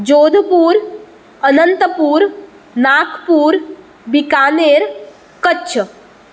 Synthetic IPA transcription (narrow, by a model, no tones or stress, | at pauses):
d͡ʒoːd̪ʱpuːɾ | ənənt̪əpuːɾ | naːkʰpuːɾ | bɪkaːneːɾ | kət͡ʃʰ